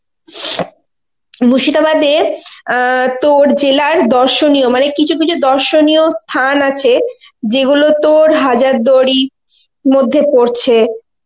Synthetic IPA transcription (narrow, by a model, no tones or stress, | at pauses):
muʃit̪abad̪e | t̪oɾd͡ʑelaɾd̪ɔɾʃoniomanekit͡ɕʰukit͡ɕʰud̪ɔɾʃoniost̪ʰanat͡ɕʰe | d͡ʑeɡulot̪oɾɦad͡ʑaɾd̪oɾi | mod̪ʱːepoɾt͡ɕʰe